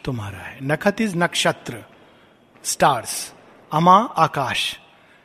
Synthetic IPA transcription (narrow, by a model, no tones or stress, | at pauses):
t̪umaɾaa̰ɦenɐkʰɐt̪it͡snɐkʂat̪ɾə | sʈaːɾs | ɐmaakaːʃ